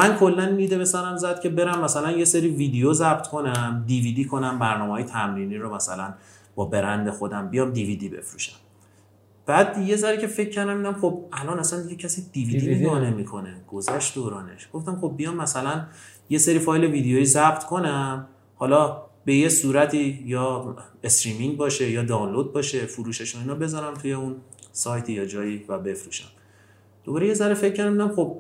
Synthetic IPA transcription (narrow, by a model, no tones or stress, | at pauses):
mænkʰo̞lːændiːd̪e̞βesæɾæmzæd̪̥cʰe̞be̞ɾæmːæsælænje̞seɾiːviːd̪ejozæb̚t̪ʰkʰo̞næmd̪iviːd̪iːkʰo̞næmbæɾnɒːmehɒːjet̪ʰæmɾiniːɾomæsæ̰læn | b̥ɒːbe̞ɾænd̪e̞xo̞d̪æmbijɒːmd̪iviːd̪ibe̞̰fɾuʃæ̥m | b̥æd̪je̞zæɾicʰe̞fe̞cʰːæɾd̪æmiːd̪æmχo̞b̚ælɒːnæsænd̪iɡɟecʰæsiːd̪̥iːviːd̪imiɡɒːnemikʰo̞ne̞ɡ̥ozæʃt̪d̪oːɾɒːne̞ʃɡ̥o̞ft̪æmxo̞b̚ːijɒːmːæsælænje̞seɾiːfɒːjle̞viːd̪ejojiːzæb̥t̪ʰkʰo̞næm | hɒːlɒːbe̞jesuːɾæt̪ʰiːjɒːest̪ɾiːmiŋbɒːʃe̞jɒːd̪ɒːnlod̪̚bɒːʃe̞fuɾuːʃeʃoinɒbe̞zɒɾæmt̪ʰujeunsɒːjt̪ʰijɒːd͡ʒɒːjiːvæbe̞fɾuʃæm | d̪̥obɒːɾeje̞zæɾefe̞cʰːæɾd̪æmd̪æmxo̞b̥̚